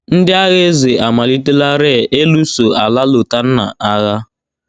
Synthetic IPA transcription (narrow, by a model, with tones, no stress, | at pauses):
n̩˦dɪ˦a˦ɣe˦ze˨ʔa˨ma˨li˦te˦la˦ɾe˦˨ʔe˦lu˦so˨a˨la˦lo˨ta˦n̩˦na̰˨a˦ɣa˦